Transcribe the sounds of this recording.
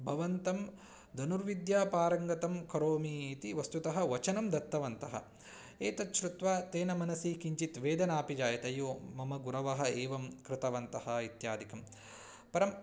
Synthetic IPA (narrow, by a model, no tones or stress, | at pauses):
bʱɐʋɐnt̪ɐm | d̪ɐnuɾʋid̪jaːpaːɾɐŋɡɐt̪ɐmkɐɾoːmiːt̪iʋɐst̪ut̪ɐɦɐ̆ʋɐt͡ʃɐnɐmd̪ɐt̪ːɐʋɐnt̪ɐɦɐ̰ | eːt̪ɐt̪ʃɾut̪ʋaːt̪eːnɐmɐnɐsiːkiɲt͡ʃit̪ʋeːd̪ɐnaːpid͡ʒaːjɐt̪ɐjoːmɐmɐɡuɾɐʋɐɦɐ̆eːʋɐmkɾɪt̪ɐʋɐnt̪ɐhɐit̪jaːd̪ikɐm | pɐɾɐm